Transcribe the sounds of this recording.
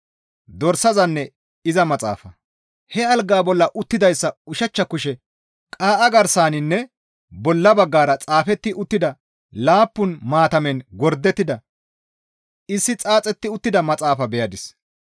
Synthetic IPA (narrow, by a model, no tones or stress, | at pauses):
d̪ɔɾsɐzɐnːɛ | ɪzɐmɐt͡sʼa̰ːfɐ | hɛɐlɡaːbɔlːɐʔʊt̪ːɪd̪ɐjsːɐʊʃɐt͡ʃːɐkʊʃɛ | kʼaːʔɐɡɐɾsaːnɪnːɛ | bɔlːɐbɐɡːaːɾɐt͡sʼaːfɛt̪ːɪʔʊt̪ːɪd̪ɐ | laːpːʊnmaːt̪ɐmɛnɡɔɾd̪ːɛt̪ːɪd̪ɐ | ɪsːɪt͡sʼaːt͡sʼɛt̪ːɪʊt̪ːɪd̪ɐmɐt͡sʼaːfɐbɛjɐd̪ɪs